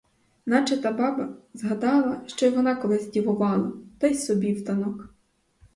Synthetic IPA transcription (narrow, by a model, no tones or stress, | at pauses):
nɑt͡ʃɐt̪ɐbɑbɐzɦɐd̪ɑlˠɐʃt͡ʃɔjʋɔnɑkɔlˠɪzʲdʲiʋʊʋɑlˠɐ̰t̪ɔjsɔbʲiwt̪ɐnɔk